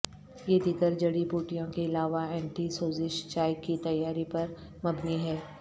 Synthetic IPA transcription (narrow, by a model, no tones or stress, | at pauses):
jed̪ɪkəɾd͡ʒɐɽipuːʈijõkeɪlaːʋaɛ̃ːɳʈisoːzɪʃt͡ʃaːɪkːit̪ɐjːaːɾipɐɾmɐbniɦɛː